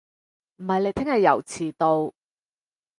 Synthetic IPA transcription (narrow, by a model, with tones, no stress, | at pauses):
m̩˨˩hɐ˨jle˨˧jt̪ʰɪ˥ŋhɐ˨jːɐ̰˨˩wt͡sʰiː˨˩t̪o˧w